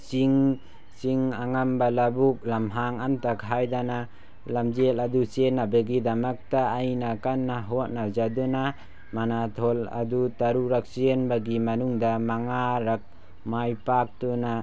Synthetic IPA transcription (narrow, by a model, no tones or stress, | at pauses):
siŋ | siŋaŋambalabuk̚lamɦaŋantakʰajdana | lamd͡ʒeladusenːabeɡidamak̚taːjnakanːaɦɔt̚nazaduna | manatʰɔla̰dutaɾuɾak̚senbaɡimanuŋdamaŋaɾak̚ | majpak̚tuna